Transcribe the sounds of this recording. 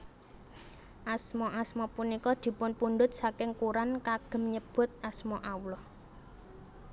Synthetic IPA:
ʔasmɔʔasmɔpunikɔd̪̥i̤pʊnpuɳɖ̪ʊt̪̚sakɪŋkuɾankaɡ̥ə̤mɲəb̥ʊ̤t̪̚asmɔʔawlɔ

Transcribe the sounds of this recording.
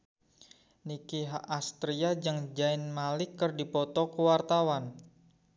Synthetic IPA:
nikiɦaʔast̪ɾiad͡ʒɨŋd͡ʒaɪnmalɪkːərdipɔt̪ɔkəwart̪awan

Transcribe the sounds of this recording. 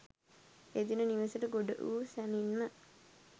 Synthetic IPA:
ed̪inəniʋəsəʈəɡoɖə̰ʔṵːsæninmə

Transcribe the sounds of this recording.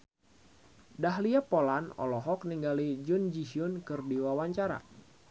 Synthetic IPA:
daɦliapolanɔ̰lɔɦɔk̚niŋɡalid͡ʒund͡ʒisiʊnkɨrdiwawaɲt͡ʃaɾa̰

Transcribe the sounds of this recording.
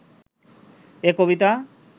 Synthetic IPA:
ekobit̪̬a

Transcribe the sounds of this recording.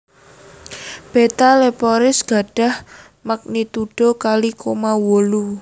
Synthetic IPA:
b̥et̪alepɔɾɪsɡ̥a̤ɖ̥a̤h | mək̚nit̪uɖ̥o̤kalikomawolu

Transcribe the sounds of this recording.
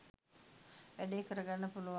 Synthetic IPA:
ʋæɖeːkəɾəɡanːəpuluʋa

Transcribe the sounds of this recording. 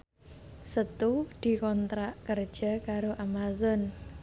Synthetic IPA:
sət̪ud̪̥i̤kɔnt̪ɾaʔkər̥ʒ̥a̤kaɾoʔamazɔn

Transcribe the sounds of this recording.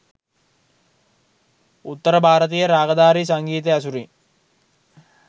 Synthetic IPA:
ut̪ːəɾəbʱaːɾət̪ijəɾaːɡəd̪aːɾisaŋɡiːt̪̬easuɾi

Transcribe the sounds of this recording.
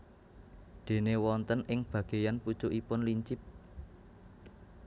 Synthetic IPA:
d̪̥e̤newɔnt̪ənɪŋb̥ä̤ɡ̥e̤janpu̥t͡ʃoʔipʊnliɲt͡ʃɪp̚

